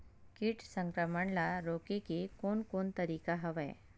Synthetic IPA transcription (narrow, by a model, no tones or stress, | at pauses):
kiʈsə̃ŋkɾəməɳlaɾoːkekekoːnkoːnt̪əɾiːkaɦɐʋḛ